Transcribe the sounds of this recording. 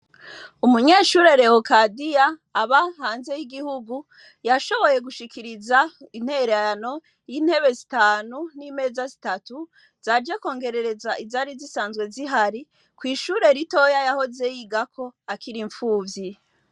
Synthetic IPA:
umuɲe̞ːʃuːɾe̞ɾe̞hokadijaːβahaːnze̞jiɡihuɡu | jaʃo̞βo̞je̞ɡuʃikʰiɾizain̥he̞ɾeaano̞ | jiːn̥he̞βe̞zitaːnunime̞ːzazitatu | z̥aɾd͡ʒako̞ːŋɡe̞ɾe̞ɾe̞zaʔizaɾizisaːnzɡwe̞ziɦaɾi | kwiːʃuːɾe̞ɾito̞jajaho̞ze̞jiɡakʰo̞akiɾiɱfuːvji

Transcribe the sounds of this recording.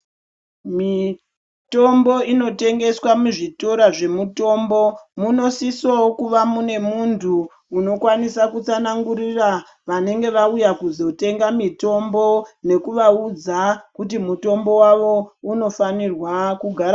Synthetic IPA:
mi | to̞mbo̞ino̞te̞ŋɡe̞swamuʐitoɾaʐe̞muto̞ːmbo̞muno̞sisowokuʋamune̞muntʰuː | no̞kwanisakut͡sanaŋɡuɾira | ʋane̞ŋɡe̞ʋaujakuzo̞te̞ŋɡamito̞mbo̞ne̞kuʋaud͡zakut̬imuto̞mbo̞waʋo̞uno̞fanirwakuɡʱaɾa

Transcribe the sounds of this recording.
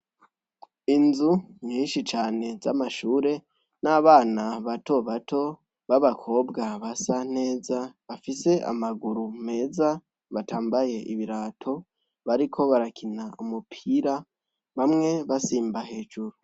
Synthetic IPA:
inzuɲiːnʃit͡ʃaːne̞zamaʃuːɾe̞ | naβaːnaβato̞βato̞ | βaβakʰo̞bɡaβasan̥e̞ːzaβafise̞ʔa̰maɡuɾume̞ːza | βataːmbaje̞ʔiβiɾaːtʰo̞ | βaɾikʰo̞βaɾakʰinaumupʰiɾa | βamŋe̞βasiːmbahe̞ːd͡ʒuɾu

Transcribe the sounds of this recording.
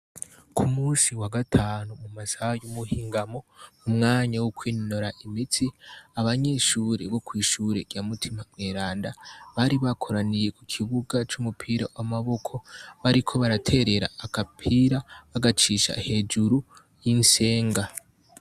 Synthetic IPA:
kʰumuːnsiwaɡatʰaːnumumasajumuhiːŋɡamo̞mumŋaːɲawukwiːnnoɾaʔimitʰiaβaɲe̞ʃuːɾḛβo̞kwiːʃuɾe̞ɾjamutʰimamŋeːɾaːndaβaɾiβakʰo̞ɾanije̞kukʰiβuɡat͡ʃumupʰiːɾawamaβo̞kʰo̞βaɾikʰo̞βaɾatʰe̞ɾe̞ɾa̰ːkapʰiɾaβaɡat͡ʃiʃa̰he̞d͡ʒuɾu | jinse̞ːŋɡa

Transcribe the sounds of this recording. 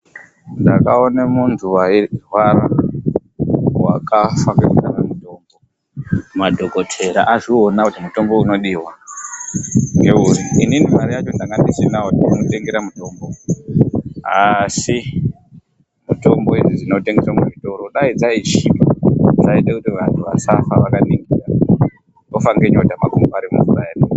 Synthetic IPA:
ndakaonemuntʰuwairwaɾa | wa̰kafakid͡zikanemuto̞ːmbo̞ | madʱoɡo̞tʰe̞ɾa̰ʔaʐionakutimuto̞mbo̞uno̞ɗiːwa | ŋɡe̞uriḭninimaɾijat͡ʃo̞ndaŋɡandisinautinote̞ŋɡeɾamuto̞ːmbo̞ | a̰si | muto̞mbo̞iʐiʐinote̞ŋɡeswameʐito̞ɾo̞ɗaid͡zait͡ʃipod͡zaiɗakutiʋantʰuʋa̰safaʋakaniŋɡira | dofaŋɡe̞ɲotamakumbaɾimṵzuraeri

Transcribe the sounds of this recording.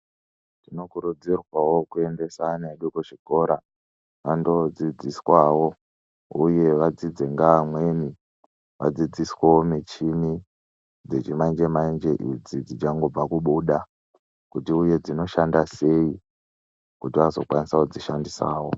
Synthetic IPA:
tino̞kuɾud͡zirwawo̞kue̞nde̞saneɗikoʐiko̞ɾa | ʋando̞d͡zid͡ziswawo̞ | uje̞ʋad͡zid͡zeŋɡamwe̞ni | ʋa̰d͡zid͡zisweomet͡ʃimi | d͡zet͡ʃimand͡ʒemaind͡ʒe̞ʔid͡zid͡zit͡ʃaŋɡo̞b͡vakuɓuɗa | kutiuje̞d͡zino̞ʃandase̞i | kutiʋazo̞̰kwanisakud͡ziʃandisa̰ːwo

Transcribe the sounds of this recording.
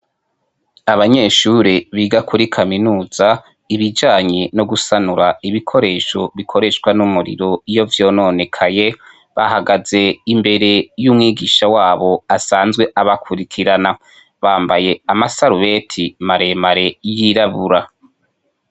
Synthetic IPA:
aβaɲe̞ːʃuɾeβiːɡakʰuɾikʰaminuːz̥a | iβid͡ʒaːɲeno̞ɡusanuɾaiβikʰo̞ɾe̞ːʃo̞βikʰo̞ɾe̞ʃɡwanumuɾḭɾo̞ijo̞vjo̞ːno̞ne̞kʰaje̞ | βahaɡaze̞imbe̞ɾe̞jumŋiːɡiʃawaːβo̞asaːnzɡwe̞ʔaβakʰuɾikʰiɾana | βaːmbaje̞amasaɾuβe̞tʰimaɾe̞maɾe̞jiɾaβuɾa

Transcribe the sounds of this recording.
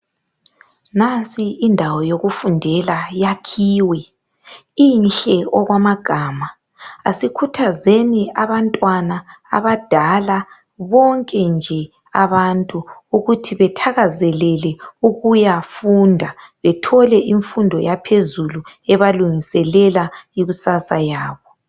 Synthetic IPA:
nasʼiːndʱawɔjoɣufundʱɛlajakʰiːwɛ | inɬɛɔɣwamaɡ̥ʱaːma | asikʰutʰazeniaβantʼwana̰ːβad̥ʱala | βɔŋkʼɛnd͡ʒʱɛ | a̰βantʼuuɣutʰiβɛtʰaɣazɛlɛlɛuɣujafuːndʱaβɛtʰɔlɛʔiɱfundʱɔjapʰezuluɛβaluŋisɛlɛlaiɣusasajaːβɔ

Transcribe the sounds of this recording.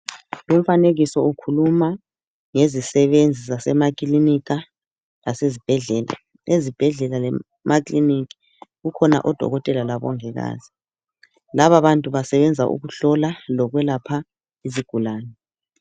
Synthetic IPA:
lum̩faneɣisɔukʰuluma | ŋezisɛβend͡zʱizasɛmakʼilinik̬ʼa | lasezib̥ʱɛɮɛːla̰ | ezib̥ʱɛɮɛlalɛ | mʔakʼlinik̬ʼi̥ | ɣukʰɔna̰ʔɔd̥ʱɔ̰ɣɔtʼɛlalaβɔ̰ŋɛɣa̰ːz̥i̥ | laβaβantʼuβasɛβɛnd͡zʱaʔṵɣuɬɔlalɔɣwɛlapʰa | iziɡ̥ʱulaːnɛ

